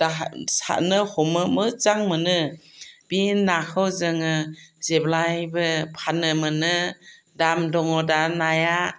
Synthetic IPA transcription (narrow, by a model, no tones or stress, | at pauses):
d̥asa̰nɯhɔmɯmɯt͡ʃaŋmɯnɯb̥inːakʰɯwzɯŋɯzeblajbɯpʰanɯmɯnɯ | damdɔŋɔdanaja